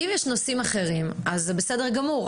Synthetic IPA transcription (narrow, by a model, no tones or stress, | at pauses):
imjeʃnosimaχe̞ʁimazːebesedeʁɡamuʁ